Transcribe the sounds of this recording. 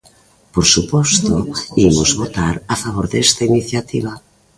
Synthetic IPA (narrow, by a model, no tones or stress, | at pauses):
poɾsupɔst̪oimʊzβot̪aɾafaβ̞oɾðɛst̪ainiθjat̪iβ̞a